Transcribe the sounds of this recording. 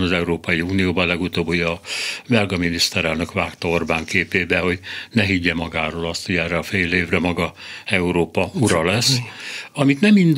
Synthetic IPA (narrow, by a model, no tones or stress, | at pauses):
nɒzɛuɾoːpɒjiuːnijoːbɒlɛɡut̪oːbojɒbɛlɡɒminist̪ɛɾɛlnø̞kʋaːkt̪ɒorbaːŋkeːpeːbɛho̞ɟnɛɦiɟːɛmɒɡaːɾoːlɒst̪ho̞ɟɛrːɛɒfejleːvrɛmɒɡɒɛuɾoːpɒuɾɒlɛsːɒmit̪nɛmind̪